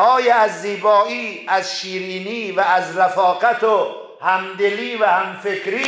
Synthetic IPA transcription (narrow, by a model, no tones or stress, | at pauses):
ʔɒːjeæzːiːbɒːʔiːæzʃiːɾiːniːvæːzɾæfɒːɣæt̪ʰo | hæmd̪eliːvæhæmfekʰɾiː